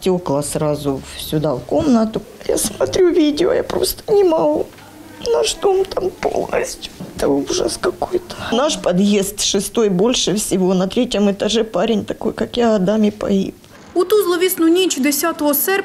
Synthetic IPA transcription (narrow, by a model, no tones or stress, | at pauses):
tʲoklˠɐsɾɑzʊsʲʊd̪avko̞mnət̪ʊ | ja̰smɐt̪ɾʲuvʲidʲɪo̰ja̰pɾo̞̰st̪ə̥nʲɪmɐɡu | nɐʐd̪omt̪ampo̰lˠnə̰sʲtʲjʊɛt̪əuʐə̰skɐkojt̪ə̥naʂpɐd̪je̞st̪ʂɨst̪o̞jbo̞lʲʂɨfsʲɪvonɐt̪ɾʲetʲjəmɨt̪ɐʐɛpaɾʲɪnʲt̪ɐko̞jkakjaɐd̪amʲɪpɐ̰ḭp | ʊt̪uzlˠɔʋʲisnʊnʲit͡ʃʊd̪esʲat̪oɦɔsɛrʲ